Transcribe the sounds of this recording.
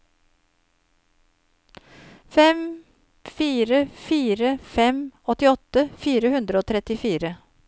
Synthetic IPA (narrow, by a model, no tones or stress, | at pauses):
fɛm | fiːɾəfiːɾəfɛmɔt̪ɪɔt̪əfiːɾəhʉnd̪ɾəoːt̪ʰɾɛt̪ɪfiːɾə